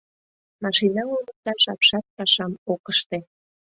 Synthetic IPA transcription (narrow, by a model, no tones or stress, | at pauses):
mɑʃinɑumək̚t̪ɑnʃɑpʃɑt̪̚pɑʃɑmokəʃt̪ĕ